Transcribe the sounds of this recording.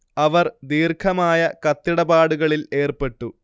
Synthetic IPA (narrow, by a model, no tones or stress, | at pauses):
ɐʋɐrd̪iːrkʰɐmaːjɐkɐt̪ːiɽɐbaːɽuɣɐɭile̞ːrpe̞ʈːu